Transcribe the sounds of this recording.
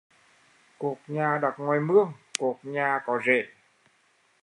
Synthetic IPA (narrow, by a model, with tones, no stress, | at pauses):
ku˨˩ək̚ɲaː˨˩ɗa˨˩t̚ŋɔ˨˩jmɨ˧əŋku˨˩ək̚ɲaː˨˩kɔ˨˦zḛ˧˩